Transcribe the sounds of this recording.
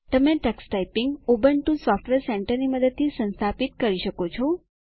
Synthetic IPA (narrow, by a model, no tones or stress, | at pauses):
t̪əmẽʈəksʈaipiŋɡobənʈusɔfʈʋeɾsɛɳʈəɾniməd̪əd̪̚t̪ʰisə̃nst̪ʰapit̪kəɾiʃəkot͡ʃʰɔ